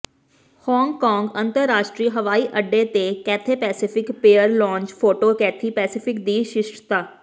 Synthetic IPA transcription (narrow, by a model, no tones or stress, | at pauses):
hɔːŋɡkɔːŋɡənt̪əɾːaːʃʈɾiːɦəʋaːiːʔəɖːeːt̪eːkɛːt̪ʰeːpɛːsɪpʰɪkpeːəɾlɔ̃ːɲt͡ʃpʰoːʈoːkɛːt̪ʰiːpɛːsɪpʰɪkd̪iːʃɪʃʈt̪aː